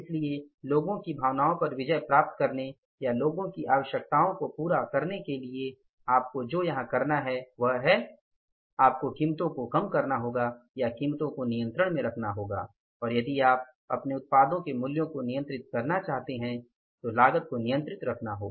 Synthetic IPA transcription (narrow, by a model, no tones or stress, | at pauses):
ɪslieloːɡõkibʱaːʋnaːõpɐɾʋɪd͡ʒəjpɾaːp̚t̪kɐɾne | jaloːɡõkiʔaːʋəʃjək̚t̪aːõkopuːɾakɐɾnekelie | aːp̚kod͡ʒoːjɐɦãkɐɾnaɦɛʋɐɦɦɛ | aːp̚kokiːmt̪õkokɐmkɐɾnaɦoːɡajakiːmt̪õkonijə̃nt̪ɾəɽ̃mẽɾɐkʰnaɦoːɡa̰ː | ɔːɾjɐd̪iaːp̚ | ɐ̰pneʊt̪̚paːd̪õkemʊljõkonɪjə̃nt̪ɾɪt̪̚kɐɾnat͡ʃaːɦt̪eɦɛ̃ | t̪olaːɡət̪̚konɪjə̃nt̪ɾɪt̪ɾɐkʰnaɦo̰ːɡaː